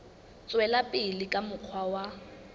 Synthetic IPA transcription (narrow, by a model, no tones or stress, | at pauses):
t͡sʼwɛlapʼɪlɪkʼamʊq͡χʰwawa